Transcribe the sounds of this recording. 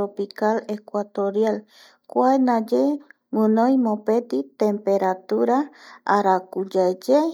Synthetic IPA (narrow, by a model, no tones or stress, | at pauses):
ɾopikalekʷat̪oɾjal | kʷaenad͡ʒe | ŋɨ̃nõjmõpet̪it̪empeɾat̪uɾaaɾakud͡ʒaed͡ʒe